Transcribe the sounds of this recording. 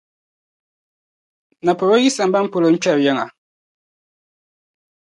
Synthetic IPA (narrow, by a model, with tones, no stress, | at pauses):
na˨po˨ɾo˦ji˦sa˨m˦ba˦m̩˦po˨lo˨ɲ̩˦t͡ʃɛ˦˨ɾjɛ˦ŋa˨